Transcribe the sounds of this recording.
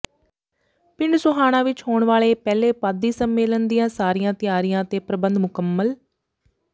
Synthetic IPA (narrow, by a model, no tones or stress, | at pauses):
pɪɳɖsʊɦaːɽ̃ãːʋɪt͡ʃhoːɳʋaːɭeːpɛːleːpaːd̪iːsəmːeːlənd̪ijãːsaːɾijãːt̪ɪjaːɾijãːt̪eːpɾəbənd̪mʊkəmːəl